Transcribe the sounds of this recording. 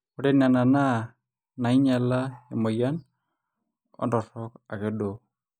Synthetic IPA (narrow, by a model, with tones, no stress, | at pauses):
o˦ɾe˦na˨na˨na˦ | na˨i˦ɲa˨lae˨mɔ˨ja˦n | ɔ̰˦ndɔ˨ɾɔka˨kɛ˨do˨